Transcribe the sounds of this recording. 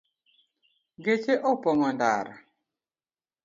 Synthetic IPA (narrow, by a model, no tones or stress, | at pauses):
ɡet͡ʃeʔɔpɔŋɔnda̰ɾa̰